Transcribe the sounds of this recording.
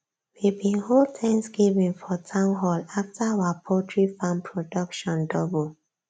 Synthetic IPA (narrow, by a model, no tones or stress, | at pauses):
wibĩnholtʰɛ̃ŋksɡivĩnfɔtʰãʊ̃nɦɔlaftawapʰɔtʰɹifãmpʰɹodɔkʃɔ̃ndɔbul